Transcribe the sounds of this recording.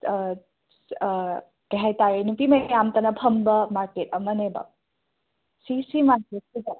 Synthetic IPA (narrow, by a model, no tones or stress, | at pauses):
kɐɦajtaɾenupimɐjjamtɐnɐpʰɐmbɐmaɾket̚ɐmɐnebɐ̰ | sisimaɾket̚sida